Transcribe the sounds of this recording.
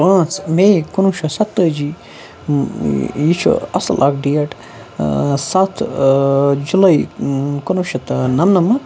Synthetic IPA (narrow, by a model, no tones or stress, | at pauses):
ɐ̃ːt͡smekunuʃɐsɐt̪ːəːd͡ʒi | jit͡ʃʰṵɐ̰sɐ̰lʔaːkɖijɐʈ | sat̪ʰ | d͡ʒulɐjkunuʃɐt̪nɐmnɐmɐ